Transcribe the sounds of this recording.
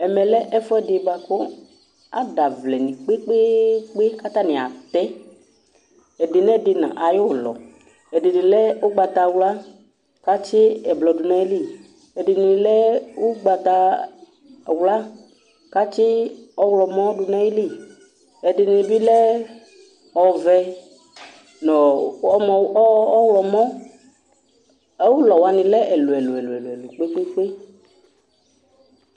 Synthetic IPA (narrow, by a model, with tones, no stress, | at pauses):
ɛ˨mɛ˨lɛ˦ʔɛ˦fɔ˦ɛ˦˨dɪ˨ba˨ko˦ | a˨da˨vlɛ˨nĩ˨k͡pe˦k͡pe˦k͡pe˦ka˦t̪a˦˨nɪ̃˨a̰˨t̪ɛ˦ | ɛ˨dɪ˨nɛ˦˨dɪ˨nã̰˨ʔa˨jo˦˨lɔ̰˨ | ɛ˨dɪ˨dɪ˨lɛ˦o˦ɡ͡ba˧t̪a˧wla˦ | ka˦t͡ʃɪ˦ɛ˨blɔ˨dʊ˨nɛ̃˦i˦li˦˨ | ɛ˨dɪ˨nɪ˨lɛ˦o˦ɡ͡ba˨t̪a˧˨ | wla˦ | ka˦t͡ʃɪ˦ɔ˦wlɔ˨mɔ̃˦dʊ˨nɛ˦ji˦li˦˨ | ɛ˨dɪ˨nɪ̃˧bi˦lɛ˦ | ɔ˨vɛ˧ | nɔ̃˨ɔ˦mɔ˨˦ɔ˦wlɔ˨mɔ̃˦ | ɛ˦wu˦lɔ˨wa˧nɪ̃˨lɛ˦ʔɛ˨lʊ˨ɛ˨lʊ˨ɛ˨lʊ˨ɛ˨lʊ˨ɛ˨lu˨k͡pe˦k͡pe˦k͡pe˦